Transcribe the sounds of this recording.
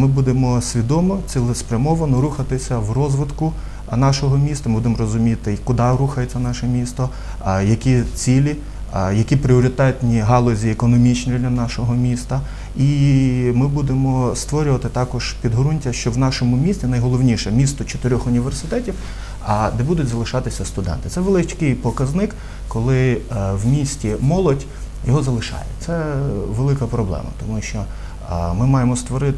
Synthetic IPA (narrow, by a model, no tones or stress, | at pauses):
mɪbud̪emɔsʲʋʲid̪ɔmɔt͡sʲilˠɪspɾʲɐmɔʋɐnɔɾuxɐt̪ɪsʲɐwrɔzʋɪd̪kʊ | nɑʃɔɦɔmʲist̪ɐmɪbud̪emɔɾɔzʊmʲit̪ɪkʊd̪ɑɾuxɐjet͡sʲːɐnɑʃɛmʲist̪ɔ | jɐkʲit͡sʲilʲi | jɐkʲipɾɪɔɾʲɪt̪ɛt̪nʲiɦɑlˠɔzʲiekɔnɔmʲit͡ʃnʲid̪lʲɐnɑʃɔɦɔmʲist̪ɐ | imɪbud̪emɔst̪ʋɔɾʲʊʋɐt̪ɪt̪ɑkɔʒpʲid̪ɦɔɾunʲtʲɐʃt͡ʃɔwnɑʃɔmʊmʲisʲt͡sʲinɐjɦɔlˠɔwnʲiʃɛmʲist̪ɔt͡ʃɔ̥t̪ɪɾʲɔxʊnʲiʋersɪt̪ɛtʲiw | ɐd̪ɛbud̪ʊtʲzɐlˠɪʃɑt̪ɪsʲɐst̪ʊd̪ɛ̰nt̪ɪt̪sɛʋelˠɪt͡ʃʲkɪjpɔkɐznɪk | kɔlˠɪwmʲisʲtʲimɔlˠɔdʲ | jɔɦɔzɐlˠɪʃɑ̰jɛ̰t̪sɛʋelˠɪkɐpɾɔblˠɛ̰mɐ̰t̪ɔmuʃt͡ʃɔ | mɪmɑjemɔst̪ʋɔɾɪt̪